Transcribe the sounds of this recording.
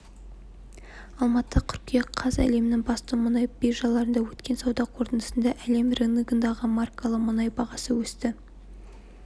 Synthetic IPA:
ɑlˠmɑt̪ːətʲʰʏɾkʲijɑqʰɑzæ̰le̞mɪnɪŋbɑst̪əmʊnɑjbeʒɑlˠɑɾənd̪ɑwɵt̪kʲe̞nsɑwd̪ɑqʰo̞ɾt̪ənəsənd̪ɑʔæle̞mrenɡənd̪ɑʁəmarkalˠəqmʊnɑjbɑʁɑsəwɵst̪ɪ

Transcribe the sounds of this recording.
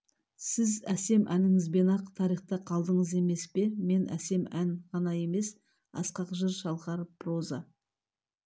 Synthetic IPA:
sɪzæse̞mʔænɪŋɪzbe̞nɑqt̪ʰɑɾijχt̪əqʰɑlˠd̪əɴəze̞me̞spe̞me̞nʔæ̰se̞mæŋʁɑnɑje̞me̞s | ɑ̰sqɑqʒəɾʃɑlˠʁɑɾprozɑ

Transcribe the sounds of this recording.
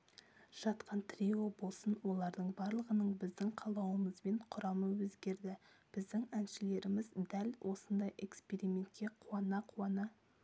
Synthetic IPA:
ʒ̥ɑt̪qɑnt̪ʰrio̞bo̞lˠsənwo̞lˠɑɾd̪əɴbɑɾlˠəʁənəɴbɪzd̪ɪŋqʰɑlˠɑwəməzbe̞ɴqʰʊɾɑməwɵzɡʲe̞ɾd̪ɪb̥ɪzd̪ɪŋænʃɪle̞ɾɪmɪzd̪ælwʔo̞sənd̪ɑjʔe̞̰kspe̞ɾimʲe̞nt̪̚kʲe̞qʰuɑnɑqʰuɑnɑ

